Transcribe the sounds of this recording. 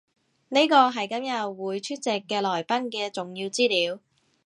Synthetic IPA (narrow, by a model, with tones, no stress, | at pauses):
ne˥jkɔː˧ɦɐ˨jkɐ˨˥mjɐ˨t̚wuː˨˧jt͡ʃʰyː˥t̚t͡sɪ˨kːɛː˧lɔː˨˩jpɐ˥nkɛː˧t͡sʊ˨ŋjiː˧wt͡siː˥liː˨˧w